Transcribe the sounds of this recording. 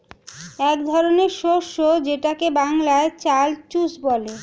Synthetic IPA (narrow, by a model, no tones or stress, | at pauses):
ɛkd̪ʱɔɾoneɾʃoɾʃod͡ʑeʈakebaŋlaet͡ɕalt͡ɕusbɔle